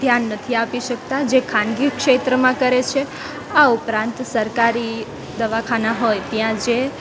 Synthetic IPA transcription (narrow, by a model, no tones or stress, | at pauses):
d̪ʱjanːət̪ʰiapiʃək̚t̪ad͡ʒekʰãnɡikʃet̪ɾəmãkəɾet͡ʃʰe | aupɾãnt̪səɾkaɾi | d̪əʋakʰanaɦojt̪jãd͡ʒe